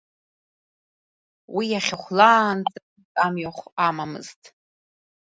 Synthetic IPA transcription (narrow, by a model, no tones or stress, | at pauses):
wijaχʲaχʷlaːnt͡sʼɨ | t͡sʼamɥaχʷamamɨ̰z̥tʼ